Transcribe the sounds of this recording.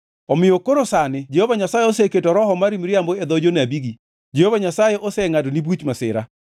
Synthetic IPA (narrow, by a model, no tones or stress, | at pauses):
ɔmɪjokoɾosanɪd͡ʒehovaɲasajeoseketɔɾɔɦɔmaɾimɾiamboed̪ɔd͡ʒonabiɡi | d͡ʒehovaɲasajeʔosɛŋadonibut͡ʃmasɪ̰ɾa̰